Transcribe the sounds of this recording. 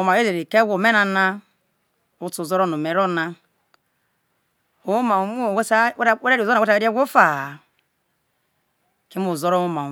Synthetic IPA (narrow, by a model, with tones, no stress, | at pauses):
o˨ma˨ɾe˦e˨ɾi˨ke˦ɡo˨me˦na˨na˦ | u˦tu˨zɔ˦ɾɔ˦nu˨me˨ɾo˦na˦ | o˨˦u˦ma˨˦˨wsa˦we˦ɾa˦ɾi˨o˦˨˦e˦ta˦˨e˦ɾi˦e˦ɡʷo˦fa˨ | ki˦m˦o˨zo˦ɾo˦u˦ma˨